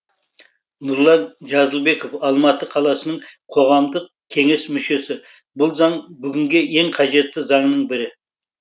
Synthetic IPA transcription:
nʊɾlˠɑnʒɑzəlˠbe̞kofɑlˠmɑt̪əqʰɑlˠɑsənəɴqʰo̞ʁɑmd̪əq̚ | kʲʰe̞ŋe̞smʏʃe̞sɪ | bʊlˠzɑɴbʏɡʲɪŋɡʲeje̞ŋqʰɑʒe̞t̪ːɪzɑɴnəɴbɪɾɪ

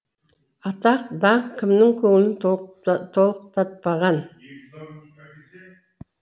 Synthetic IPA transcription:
ɑt̪ɑq̚d̪ɑkʲʰːɪmnɪŋkʲʰɵŋɪlɪn | t̪ʰo̞lˠəq̚t̪ʰɑt̪̚pɑʁɑn

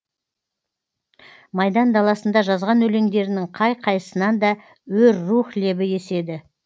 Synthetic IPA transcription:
mɑjd̪ɑnd̪ɑlˠɑsənd̪ɑʒɑzʁɑnɵle̞ŋd̪e̞ɾɪnɪŋqʰɑjqʰɑjəsənɑnd̪ɑ | wɵɾːuχle̞bɪje̞se̞d̪ɪ

